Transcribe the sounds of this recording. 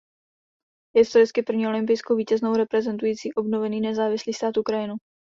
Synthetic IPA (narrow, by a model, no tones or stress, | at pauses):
jɛst̪ojɪskɪpr̩vɲiːo̞lɪmp̬ɪjskowviːcɛzno̞wɾɛpɾɛzɛnt̪ujiːt͡siːʔo̞bno̞vɛniːnɛzaːvɪsliːst̪aːt̪ʔukɾajɪnu